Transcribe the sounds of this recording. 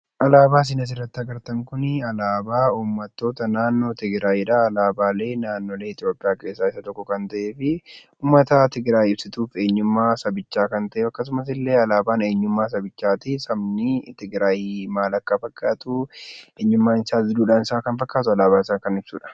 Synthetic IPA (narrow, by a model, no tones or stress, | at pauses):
ʔɐlaːbaːs̬ɪnɐs̬ɪrːɐt̪ːɪɐɡɐɾt̪ɐŋkʊnɪɐlaːbaːuːmːɐt̪ːo̞ːt̪ɐnaːnːo̞ːt̪ɪɡɾaːjiːᶑɐɐlaːbaːle̞ːnaːnːo̞ːleːɪt̪ɪjo̞ːpʼːɪjaːke̞ːsːaːɪsːɐt̪ɔkːɔkɐnt̪ɐʔe̞ːfɪ | uːmːɐt̪at̪ɪɡɾaːjːɪbsɪt̪uːfe̞ːɲːʊmːaːsɐbɪt͡ʃːaːkɐnt̪ɐʔɛɐkːɐs̬ʊmɐs̬ɪlːe̞ːɐlaːbaːne̞ːɲːʊmːaːs̬ɐbɪt͡ʃːaːt̪ɪsɐbnɪt̪ɪɡɾaːjiːmaːlɐkːɐfɐkʼːaːt̪ʊeːɲːʊmːaːnɪsaːd̪ɪd̪uːᶑaːnɪsaːkɐnfɐkːaːt̪ʊɐlaːbaːɪsaːkɐnɪb̥sṵːᶑɐ̥